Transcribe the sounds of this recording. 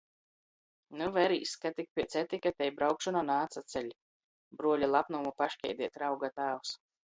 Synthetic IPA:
nuvɛɾiːskat̪ik̚pʲiɛt̪sʲɛt̪ʲikat̪ʲɛjbɾawkʃɔnanaːt̪sat̪sʲɛlʲ | bɾuɔlʲilˠapnumupaʃkʲɛ̰jd̪ʲiɛt̪ɾawɡat̪aːwus

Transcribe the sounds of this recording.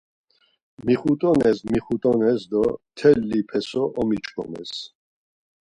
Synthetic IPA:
miχut̪ʼɔnɛsmiχut̪ʼɔnɛsd̪ɔt̪ʰɛlːipʰɛsɔʔɔmit͡ʃʰʼkʰɔ̰mɛ̰s

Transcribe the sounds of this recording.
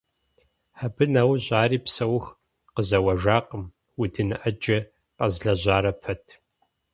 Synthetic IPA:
ħabɨnɐwɕʼaːriːpsɐwx | qəzɐwɐʒaːqəm | wʊdɨnɨʔɐd͡ʒɐ | qʼɐzɮɐʑaːɾɐpʰɐtʰ

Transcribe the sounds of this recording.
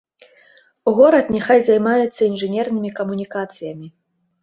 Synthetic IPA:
uɣɔɾɐt̪nʲɛxajzajmajɛt̪sːɐinʐɨnʲɛrnɨmʲikɐmunʲikat̪sɨjɐmʲi

